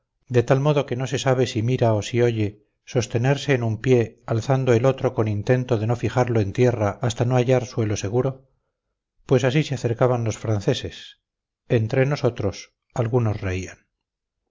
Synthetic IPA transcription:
d̪e̞t̪almo̞ðo̞ke̞no̞se̞saβ̞e̞simiɾaosio̞ʝe̞ | so̞st̪e̞ne̞ɾse̞ːnumpje̞alθand̪oelo̞t̪ɾo̞ko̞nint̪e̞nt̪o̞ðe̞no̞fixaɾloe̞nt̪je̞raast̪ano̞aʝaɾswe̞lo̞se̞ɣuɾo̞ | pwe̞sasiseaθe̞ɾkaβanlo̞sfɾanθe̞se̞s | ent̪ɾe̞no̞so̞t̪ɾo̞s | alɣuno̞sre̞ian

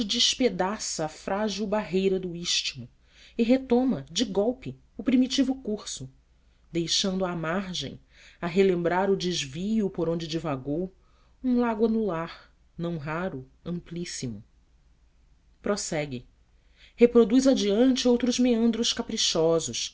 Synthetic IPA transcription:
ɪd͡ʒɪʃped̪asɐːfɾaʒiwbaɦejɾɐd̪ʊiʃt͡ʃimʊ | ɪɦet̪õmɐd͡ʒɪɡɔwpɪ | ʊpɾimit͡ʃivʊkuɾsʊ | d̪ejʃɐ̃nd̪ʊamaɾʒḛ̃j̃ | ɐɦelẽmbɾaɾʊd͡ʒɪʒvijʊpoɾõd͡ʒɪd͡ʒivaɡow | ũlaɡwɐnulaɾ | nɐ̃w̃ɦaɾʊ | ɐ̃mplisimʊ | pɾosɛɡɪ | hepɾod̪ujzɐd͡ʒiɐ̃nt͡ʃɪowt̪ɾʊzmeɐ̃nd̪ɾʊʃkapɾiʃɔzʊʃ

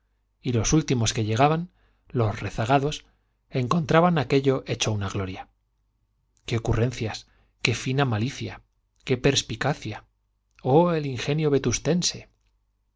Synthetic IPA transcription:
ilo̞sult̪imo̞ske̞ʎe̞ɣ̞aβan | lo̞sre̞θaɣ̞aðo̞s | e̞ŋko̞nt̪ɾaβanake̞ʎo̞ʔe̞t͡ʃounaɣlo̞ɾja | keokure̞nθjas | ke̞finamaliθja | ke̞pe̞ɾspikaθja | oeliŋxe̞njoβe̞t̪ust̪e̞nse̞

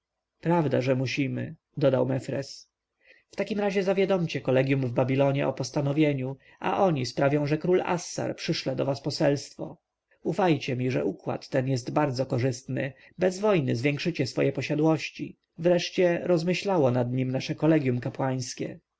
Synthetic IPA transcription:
pɾavd̪aʐɛmuɕimɘ̰ | d̪ɔd̪awmɛfɾɛ̰s | ft̪akʲimɾaʑɛzavʲjad̪ɔmt͡ɕɛkɔlɛɡʲjumvbabʲilɔɲɛʔɔpɔst̪anɔvʲjeɲu | ʔa̰ʔɔɲispɾavʲjɔ̃w̃ʐɛkɾula̰sːa̰ɾpʂɘʂlɛd̪ɔvaspɔsɛlst̪fɔ̰ | ufajt͡ɕɛmʲiʐɛ̰ʔukwa̰t̪ːɛnjɛst̪baɾd̪zɔkɔʐɘst̪nɘ̰ | bɛzvɔjnɘzvʲjɛŋkʂɘt͡ɕɛsfɔjɛpɔɕad̪wɔɕt͡ɕi | vɾɛʂt͡ɕɛɾɔzmɘɕlawɔnad̪ɲimnaʂɛkɔlɛɡʲjumkapwaj̃skʲɛ

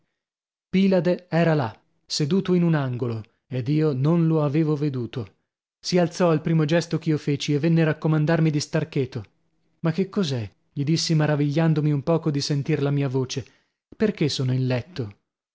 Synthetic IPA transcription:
piːlad̪eɛːɾala | sed̪uːt̪oinunaŋɡolo | ed̪iːononloaveːvoved̪uːt̪o | sialt̪sɔalpɾiːmod͡ʒɛst̪okiːofeːt͡ʃievːenːeɾakːomand̪armid̪ist̪arkeːt̪ːo | makːekːɔzɛ | ʎid̪isːimaɾaviʎːand̪omiumpɔːkod̪isent̪irlamiːavoːt͡ʃe | perkesːoːnoinlɛt̪ːo

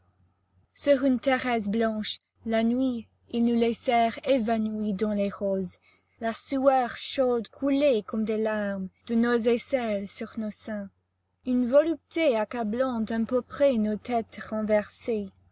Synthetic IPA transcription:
syʁynt̪ɛʁɛs̬blɑ̃ʃ | lanɥi | ilnulɛsɛʁevanwid̪ɑ̃leʁoz | lasuœʁʃod̪kʰulekɔmd̪elaʁmd̪̥ənozesɛlsyʁnosɛ̃ | ynvɔlyp̚t̪eakablɑ̃t̪ɛ̃pøpχɛnot̪ʰɛt̪ʁɑ̃vɛʁse

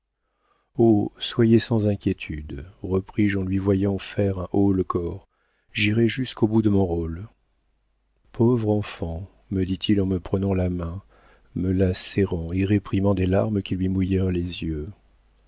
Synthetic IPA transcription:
oswajesɑ̃zɛ̃kʲjet̪ʰyd̪ʁəpχiʒɑ̃lɥivwajɑ̃fɛʁɛ̃ʔoləkɔʁ | ʒiʁɛʒyskobud̪əmɔ̃ʁol | pʰovʁɑ̃fɑ̃ | məd̪it̪ʰilɑ̃məpχənɑ̃lamɛ̃ | məlasɛʁɑ̃eʁepχimɑ̃d̪elaʁməkʲilɥimujɛʁlezjø

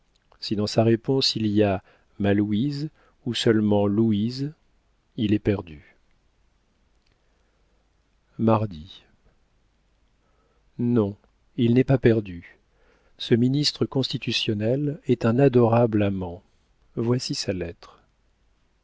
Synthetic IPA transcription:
sid̪ɑ̃saʁepɔ̃silija | maluiz | usœlmɑ̃luiz | ilɛpɛʁd̪y | maʁd̪i | nɔ̃ | ilnɛpapɛʁd̪y | səminist̪χəkɔ̃st̪it̪ysjɔnɛlɛt̪ɛ̃nad̪ɔʁablamɑ̃ | vwasisalɛt̪χ

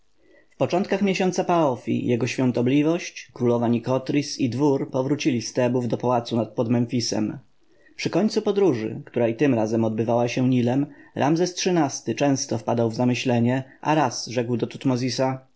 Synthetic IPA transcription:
fpɔt͡ʂɔnt̪̚kaxmʲjeɕɔnt̪sapaɔfʲḭjʔɛɡɔɕfʲjɔ̃nt̪ɔblʲivɔɕt͡ɕkɾulɔvaɲikɔt̪ɾʲisid̪vuɾpɔvɾut͡ɕilʲist̪ɛbuvd̪ɔpawat̪sunat̪̚pɔd̪mɛnfʲisɛ̰m | pʂɘkɔɲʲt̪supɔd̪ɾuʐɘ̰kt̪uɾait̪ɘmɾazɛmɔd̪̚bɘvawaɕɛɲilɛmɾʔa̰mzɛstʂɘnast̪ɘt͡ʂɛ̃w̃st̪ɔfpad̪awvzamɘɕlɛɲɛʔa̰ɾasʐɛkwd̪ɔt̪ut̪mɔzʲisa

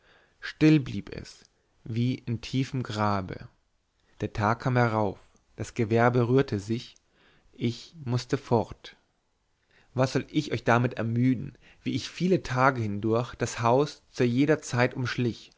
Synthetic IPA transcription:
ʃtɪlbliːpɛ̰s | viːʔɪntʰiːfəmɡʁaːbə̰ | d̥eːɐtʰaːkʰːaːmhɛʁaʊf | d̥asɡ̥əvɛɐbəʁyːɐtʰəzɪç | ʔɪçmʊstəfɔʁt | vasz̥ɔlʔɪçʔɔʏçd̥amɪtɛɐmyːdn̩ | viːɪçfiːlətʰaːɡəhɪndʊɐçd̥ashaʊst͡suːɐjeːdɐt͡saɪtʔʊmʃlɪç

